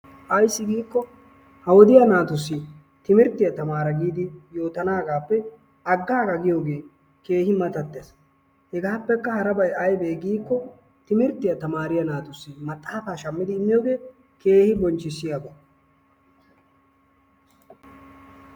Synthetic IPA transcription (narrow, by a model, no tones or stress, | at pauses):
ʔɐjsːɪɡiːkːɔ | hɐwɔd̪ɪjɐnaːt̪ʊsːɪ | t̪ɪmɪɾt̪ːɪjɐt̪ɐmaːɾɐɡiːd̪ɪjo̞ːt̪ɐnaːɡaːpːɛ | ɐɡːaːɡɐɡɪjo̞ːɡe̞ː | ke̞ːhɪmɐt̪ɐt̪ːes | hɛɡaːpːɛkːɐhɐɾɐbɐjɐjbeːɡiːkːɔ | t̪ɪmɪɾt̪ːɪjɐt̪ɐmaːɾɪjɐnaːt̪ʊsːɪmɐt̪ʼːaːfaːʃɐmːɪd̪ɪːmːɪjoːɡe̞ː | ke̞ːhɪbɔnt͡ʃːɪsːɪjabɐ